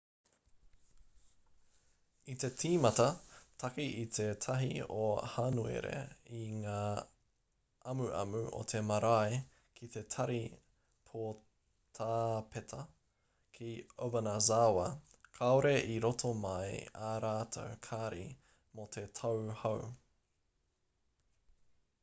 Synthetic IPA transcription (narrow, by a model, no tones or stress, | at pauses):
it̪e̞tʰiːmɐt̪ɐtʰɐkiit̪ʰe̞t̪ʰɐɦiohanuḛɾḛiŋaː | ɐmuʔɐ̰mʉʔo̰t̪ʰe̞mɐɾaj | kʰit̪e̞t̪ʰɐɾi | pʰo | t̪ʰaːpʰetʰɐ | kʰiobɐnazawɐ | kʰaoɾe̞ʔiɾot̪ʰomɐjaɾaːt̪ʰɐ̰kʰaɾḭ | mot̪ʰet̪ʰɐwhɐw